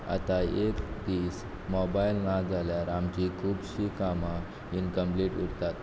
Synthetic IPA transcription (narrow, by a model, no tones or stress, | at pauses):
a̰t̪aekd̪iːs | mɔbailnãd͡zaljaɾamt͡ɕikʰuːbɕikama | inkəmpliʈuɾt̪at̪̚